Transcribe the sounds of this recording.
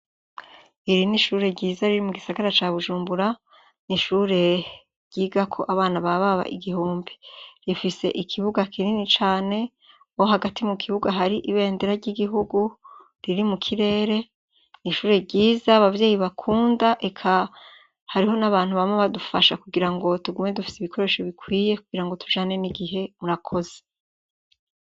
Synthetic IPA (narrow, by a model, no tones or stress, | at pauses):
iɾiniʃuːɾe̞ɟiːzaɾiɾimuɡisaɡaɾat͡ʃaːβuʒuːmbuɾa | niʃuːɾe̞ | ɾɟ̥iːɡakʰo̞̰ʔaβaːnaβaβaβa̰ʔiɡihuːmbiɾifise̞̰ʔikʰiβuɡakiɾinit͡ʃaːne̞ | oɦaɡatimukʰiβuɡaɦaɾiʔiβe̞ːndeɾaɾɟiɡiɦuɡu | ɾiɾimukʰiɾe̞ːɾe̞ | niʃuːɾe̞ɟiːzaːβavje̞ːjiβakʰuːndaʔe̞kʰa | haɾiho̞naβaːn̥huβamŋeβadufaʃakuɡiɾaŋɡo̞tuɡumŋe̞dufi̥siβikʰo̞ɾe̞ʃeβikwiːje̞kuɡ̥iɾaŋɡo̞tʰu̥ʒaːne̞niɡiɦe̞muɾakʰo̞ze